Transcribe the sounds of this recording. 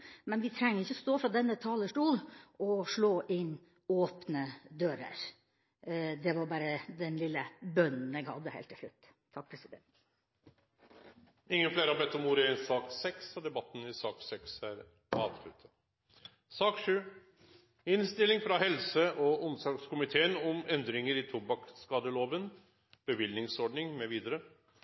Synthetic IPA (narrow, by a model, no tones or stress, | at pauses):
mɛnʋɪt̪ʰɾɛŋːəɾɪçːəɔst̪oːfɾɑd̪ɛnːət̪ʰɑːləʂʈuːlɔʂɭoːʔɪnː | oːpnəd̪øːɾə̰ɾ | d̪ɛʋɑɾbɑːɾəd̪ɛnlɪlːəbœnn̩ɛɡhɑ̰d̪ːəhḛlt̪ʰːɪlʂɭʉ̰t̪ː | t̪ʰːɑk̚ːpʰɾɛsɪd̪ɛ̰nt̪ | ɪŋːənfleːɾəhɑbɛt̪ːɔmuɾɪɪnsɑːksɛksɔd̪ɛbɑt̪ːn̩ɪsɑːksɛksæɾ | ɑ̰ːʋslʉ̰t̪ʰːə | sɑːkʂʉː | ɪnst̪ɪlːɪŋfɾɑɦɛlsəʔɔʔʊnsɑɾkskʊmɪt̪ʰeːənɔmɛnd̪ɾɪŋəɾɪt̪ʰʊbɑkskɑːd̪əloːʋən | b̥əʋɪlnɪŋsɔɖnɪŋmɛʋiːd̪əɾə